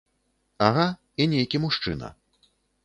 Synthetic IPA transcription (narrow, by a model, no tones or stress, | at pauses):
aɣa | inʲejkʲimuʂt͡ʂɨ̰nɐ̰